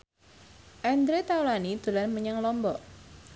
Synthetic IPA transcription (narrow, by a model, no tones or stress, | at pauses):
ʔɛnd̪ɾet̪awlanid̪̥ulanməɲəŋlɔmbɔʔ